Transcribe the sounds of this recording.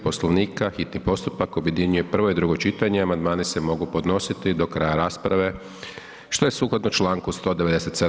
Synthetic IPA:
po̞sloʋniːkaxit̪nipo̞st̪upakobjed̪iɲuje̞pr̩ʋo̞id̪ɾuɡo̞t͡ʃit̪aɲeamand̪maːnise̞mo̞ɡupo̞d̪no̞sit̪id̪o̞kɾajaɾaːspɾaʋe̞ | ʃt̪o̞jesuːklod̪not͡ʃlˠaːŋkust̪o̞ːd̪eʋe̞d̪eset̪se

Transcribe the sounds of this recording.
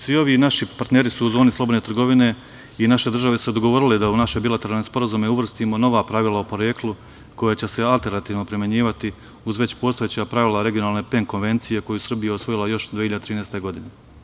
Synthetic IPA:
sʋio̞ʋinaʃipaɾt̪ne̞ːɾisuːzo̞ːnislo̞bod̪net̪rɾɡo̞ʋine̞ | inaʃe̞d̪r̩ʒaʋesud̪oɡoʋo̞ɾiled̪aunaʃe̞bilat̪e̞ɾalnespo̞ɾazumeuʋr̩st̪imo̞no̞ʋaːpɾaʋilˠaopo̞ɾe̞klu | ko̞jat͡ɕe̞se̞alˠt̪e̞ɾnat̪iːʋno̞pɾimjeɲiːʋat̪i | uzʋe̞t͡ɕpo̞ːst̪ojet͡ɕapɾaʋilaɾe̞ɡijo̞naːlˠne̞pe̞ŋko̞nʋe̞nt̪sije̞ko̞jusr̩bijeosʋo̞jilˠajo̞ʃd̪iːçiʎad̪et̪ɾiːnest̪e̞ɡo̞d̪ine

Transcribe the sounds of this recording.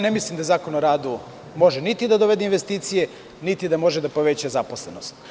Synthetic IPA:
nemislimd̪azaːkonoɾaːd̪u | mo̞ʒenit̪id̪ad̪oʋed̪einʋe̞st̪iːt̪sije̞ | nit̪id̪amo̞ʒed̪apo̞ʋet͡ɕazaposlˠenost̪

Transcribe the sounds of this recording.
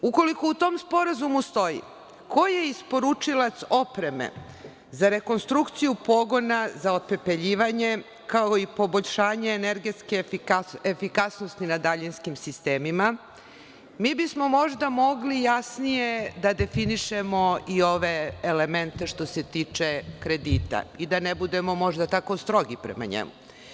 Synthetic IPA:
uko̞likout̪o̞mspo̞ɾazumust̪o̞jḭ | kʰo̞je̞ispo̞ɾut͡ʂilat̪so̞pɾe̞mḛ | zaɾe̞ko̞nst̪ɾukt̪sijupo̞ɡo̞nazaope̞pe̞ʎiːʋaɲe̞ | kao̞ipo̞boʎʃaːɲeːneɾɡet̪skeefikasnost̪inad̪aʎinskimsist̪eːmima | miːbismo̞mo̞ʒd̪amo̞ɡlijasnijed̪ad̪e̞finiʃemo̞io̞ʋe̞ːleme̞nt̪e̞ʃt̪o̞se̞t̪iːt͡ʃe̞kɾe̞d̪iːt̪a̰id̪anebud̪e̞mo̞mo̞ʒd̪at̪ako̞st̪ɾo̞ɡipɾḛma̰ɲḛmṵ

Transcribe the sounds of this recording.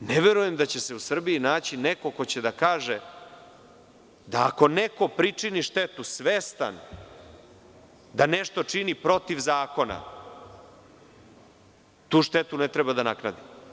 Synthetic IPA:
neʋe̞ɾuje̞md̪at͡ɕe̞se̞usr̩biinaːt͡ɕineko̞ko̞t͡ɕed̪akaːʒe | d̪aːko̞neko̞pɾit͡ʂiniʃt̪et̪usʋest̪a̰n | d̪aneʃt̪o̞t͡ʂinipɾo̞t̪iʋzaːko̞na̰ | t̪uːʃt̪et̪unet̪ɾɛbad̪anaknad̪im

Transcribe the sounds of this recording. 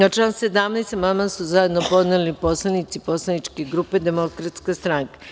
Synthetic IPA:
at͡ʃlaːnse̞d̪amnest̪mamasuzaje̞d̪nopo̞d̪nelipo̞slˠanit̪sipo̞slˠanit͡ʃkeɡɾupe̞d̪e̞mo̞kɾat̪skast̪ɾaŋkḁ

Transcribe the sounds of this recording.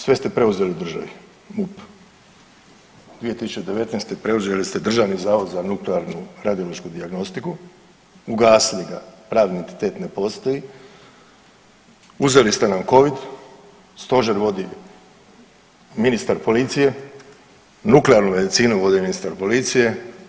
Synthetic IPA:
sʋe̞st̪e̞pɾe̞uze̞liud̪r̩ʒaʋi | mup | d̪ʋije̞t̪isut͡ʃed̪e̞ʋe̞t̪neːst̪epɾe̞uze̞list̪e̞d̪r̩ʒaːʋnizaːʋo̞d̪zanukleaɾnuɾad̪ijo̞lo̞ʃkud̪iaɡno̞st̪iku | uɡaːsiliɡapɾaːʋd̪nie̞nt̪i̥t̪e̞ːt̪ne̞po̞st̪oji | uze̞list̪enamko̞ʋid̪ | st̪o̞ʒeɾʋo̞d̪i | minist̪aɾpo̞lit̪sije̞ | nukleaɾnume̞d̪it̪siːnuʋo̞d̪iminist̪aɾpo̞lit̪sije̞

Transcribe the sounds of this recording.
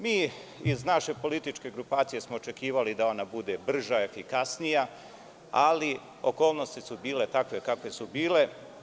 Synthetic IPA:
miː | iznaʃe̞po̞lit̪it͡ʃke̞ɡɾupaːt̪sije̞smo̞ot͡ʃe̞kiːʋalid̪ao̞nabud̪e̞br̩ʒaefikasnija | ali | o̞̰ko̞ːlˠno̞st̪isubiːle̞t̪akʋe̞kakʋe̞subiːle̞

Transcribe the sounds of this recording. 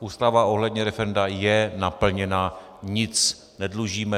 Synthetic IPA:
uːst̪avao̞ɦlɛdɲɛɾɛfɛɾɛndajɛnapl̩ɲɛna | ɲɪt͡s | nɛdluʒiːmɛ

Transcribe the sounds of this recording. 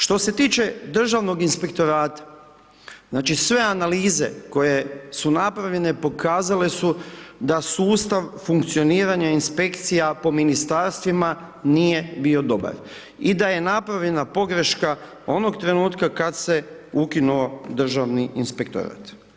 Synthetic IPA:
ʃt̪o̞se̞t̪iːt͡ʃe̞d̪r̩ʒaʋno̞ɡinspe̞kt̪o̞ɾaːt̪ḁ | znaːt͡ʃisʋe̞analiːze̞̰ko̞je̞sunapɾaʋʎe̞ne̞po̞kaːzale̞sud̪asuːst̪aʋfuŋkt̪sio̞niːɾaɲainspe̞kt̪sijapo̞minist̪aɾst̪ʋima | nije̞bio̞d̪o̞ba̰ɾ | id̪aje̞napɾaʋʎe̞napo̞ɡɾe̞ʃka | o̞no̞ɡt̪ɾe̞nuːt̪kakad̪se̞ukinuo̞d̪r̩ʒaʋniʔinspekt̪o̰ɾa̰t̪

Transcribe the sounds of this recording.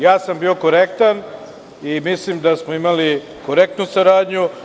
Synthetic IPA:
jaːsambiːo̞ko̞ɾekt̪an | imislimd̪asmoimali | koɾek̚t̪nusaɾaːd̪ɲu

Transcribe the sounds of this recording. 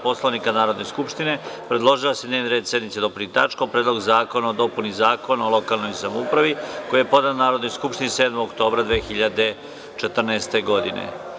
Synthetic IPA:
po̞slˠoʋnikanaːɾod̪ne̞skupʂt̪ine̞pɾed̪lˠo̞ʒilased̪neʋnɾe̞ːd̪se̞d̪nit̪sed̪o̞punit̪a̰t͡ʃkapɾeːd̪lo̞ɡzaːko̞naod̪o̞punizaːko̞naolo̞kaːlˠno̞jsamoupɾaʋiko̞jijepo̞d̪annaːɾo̞d̪nojskupʃt̪iniseːd̪moɡokt̪o̞ːbɾad̪ʋeːxiʎad̪e̞ | t͡ʃet̪r̩naːst̪e̞ɡo̞d̪inḛ

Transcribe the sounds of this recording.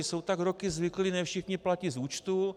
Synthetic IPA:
sowt̪aɡɾokɪzvɪklinɛfʃɪxɲɪplacɪzuːt͡ʃt̪u

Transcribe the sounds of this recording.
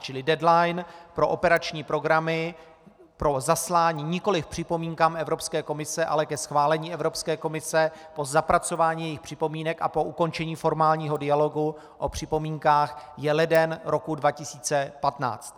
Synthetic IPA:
t͡ʃɪlɪdɛdlajnpɾo̞ʔopɛɾat͡ʃɲiːpɾo̞ɡɾamɪ | pɾo̞zaslaːɲiːɲɪko̞lɪfpr̝̥ɪpo̞miːŋkaːmɛvɾo̞pskɛːko̞mɪsɛʔa̰lɛkɛsxvaːlɛɲiːʔɛvɾopskɛːko̞mɪsɛpo̞zapɾat͡so̞vaːɲiːjɛjɪxpr̝̥ɪpo̞miːnɛkʔa̰po̞ʔuko̞nt͡ʃɛɲiːfo̞ɾmaːlɲiːɦo̞dɪjalo̞ɡu | ʔopr̝̥ɪpo̞miːŋkaːxjɛlɛdɛnɾo̞kudvacɪsiːt͡sɛpat̪na̰ːt͡st̪̚

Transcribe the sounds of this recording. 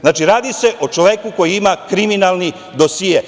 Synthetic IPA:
znaːt͡ʃiɾaːd̪ise̞ʔot͡ʃoʋekuko̞jiimakɾiminalˠni | d̪osije

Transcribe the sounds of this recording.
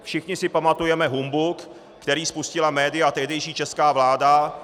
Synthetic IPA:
fʃɪxɲɪsɪpamat̪ujɛmɛɦumbʊkː | t̪ɛɾiːspuscɪlamɛːdɪat̪ɛɦdɛjʃiːt͡ʃɛskaːvlaːda

